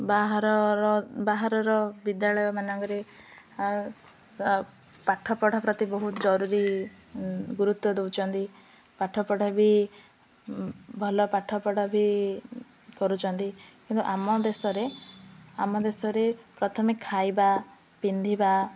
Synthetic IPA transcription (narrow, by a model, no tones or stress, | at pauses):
baɦɾɔɾbaɦaɾɔɾɔbid̪jaɭɔjɔmanɔŋkɔɾe | paʈʰɔpɔɽapɾɔt̪ibɔɦut̪ɔd͡ʒɔɾuɾi | ɡuɾut̪wɔd̪ewt͡ʃʰɔnt̪i | paʈʰɔpɔɽ̤abʱi | bʱɔlɔpaʈʰːɔpɔɽɔbʱi | kɔɾut͡ʃʰɔnt̪ikint̪uʔamɔd̪esɔɾe | amɔd̪esɔɾepɾɔt̪ʰɔmikʰːajba | pind̪ʱiba